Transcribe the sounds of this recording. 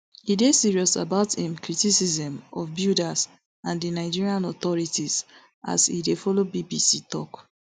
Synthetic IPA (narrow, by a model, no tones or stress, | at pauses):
idesiɹiɔsa̰baʊtĩmkɹitisizɛ̃mɔfbjudas | ãndinaɪd͡ʒiɹiãnɔθɔɹitiz | ʔa̰sḭdefɔlobibisitɔk